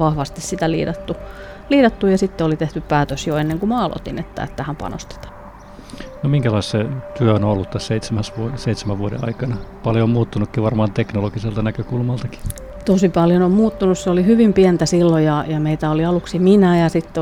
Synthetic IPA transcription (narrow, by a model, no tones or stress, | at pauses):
ʋɑhʋɑst̪issit̪ælḭːdɑt̪ːu | liːdɑt̪ːujɑsit̪ːeolit̪eht̪yppæːt̪øsjoenːeŋkumɑːlo̰t̪ḭnḛt̪ːæ̰ḛt̪ːæhæmpɑ̰no̰st̪e̥t̪ɑ̥ | nomiŋkælɑist̪set̪yøonolːut̪t̪æsseit̪semæsʋuoseit̪semæʋʋuodḛɑ̰ikɑnɑpɑljomuːt̪ːunukːiʋɑrmɑːnt̪eknoloɡiselt̪ɑnækøkulmɑlt̪ɑki̥ | t̪osipɑljonommuːt̪ːunusseolihyʋimpiɛnt̪æsilːojɑjɑmeit̪æoliɑluksiminæjɑsit̪ːe